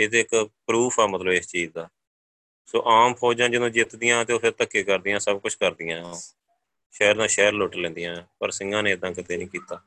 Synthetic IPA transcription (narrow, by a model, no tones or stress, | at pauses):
ɪt̪eːɪkpɾuːpʰɛːmət̪ləbɪst͡ʃiːd̪aː | so̰ːʔaːmpʰoːd͡ʒãːd͡ʒɪd̪õːd͡ʒɪt̪d̪ɪjãːt̪eːoːpʰɪɾt̪əkːeːkəɾd̪ɪjãːsəb̚kʊt͡ʃʰkəɾd̪ɪjãː | ʃɛːɾnãːʃɛːəɾloːʈlɛ̃ːnd̪ɪjãːpəɾsɪŋɡãːneːɪd̪ãːkɪt̪eːnĩːkiːt̪aː